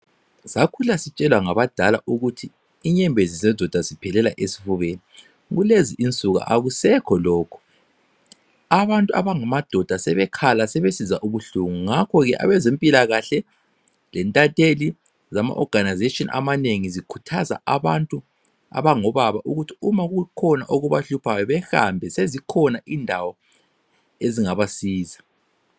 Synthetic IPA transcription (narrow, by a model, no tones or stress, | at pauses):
z̥akʰulasit͡ʃʼɛlwaŋaβad̥ʱalaʔuɣutʰi | iɲɛmbʱezizɛd̥ʱɔd̥ʱazipʰɛlɛlaʔesi̥fuβeni | ɣuleziʔint͡sʼuɣa̰ʔaɣusɛkʰɔlɔːkʰɔ̥ | aβantʼuaβaŋamad̥ʱɔd̥ʱasɛβɛkʰalasɛβesizaʔuβuɬuŋuŋakʰɔɣɛʔa̰βɛzempʼilaɣaɬɛ | lɛntʼatʼeli | zama̰ʔɔɡ̥ʱanajzetʼiɔnʔa̰maneŋizikʰu̥tʰaza̰aβantʼu | a̰βaŋɔβaβaʔuɣutʰi̥umaɣukʰɔna̰ʔoɣuβaɬupʰajɔβɛha̰mbʱɛsezikʰɔnaʔindʱawɔ | eziŋaβasiːzḁ